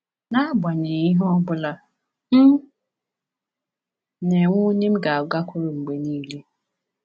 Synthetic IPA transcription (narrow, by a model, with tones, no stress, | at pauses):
na˦bʷa˨ɲe˨i˦ɦɔ˦bʊ˦la˦ | m̩˦˨ | ne˨ŋʷu˦ɲe˦m̩˦ɡa˨ɡa˦kʰʷʊ˦ɾʊ˨ŋ͡m̩˨ɡ͡be˨niː˦le˦